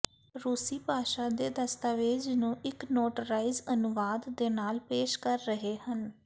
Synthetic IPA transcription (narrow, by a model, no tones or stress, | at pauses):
ɾuːsiːpaːʃãːd̪eːd̪əst̪aːʋeːd͡ʒnũːʔɪknoːʈəɾaːizənʊʋaːd̪ːeːnaːlpeːʃkəɾːəɦeːhən